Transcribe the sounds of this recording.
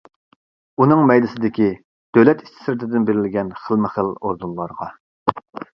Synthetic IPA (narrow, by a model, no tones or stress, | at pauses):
unɨŋmɛjd̪ɪsɪd̪ɪkʲi | d̪̥øwlɛt̪i̥st̪ʰɪ̥sɾɪt̪ʰɪd̪ɪnbeɾɪlɡʲɛnχəlˠmɪχəloɾd̪unlˠɑɾʁɑ